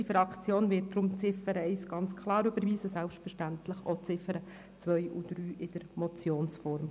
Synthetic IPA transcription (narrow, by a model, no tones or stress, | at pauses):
ifɾɑkt͡sjoːnvɪːt̚d̥̪ɾʊmt͡sɪfəɾəɛɪsɡ̥ɑnt͡skʰlˠɑːɾybəɾviːsəsælpʃtfəɾʃtænt̪ləχot͡sɪfəɾə | t͡sʋœjʔud̥ɾyːʔɪd̥əɾmɔt͡sjoːnsfɔɾm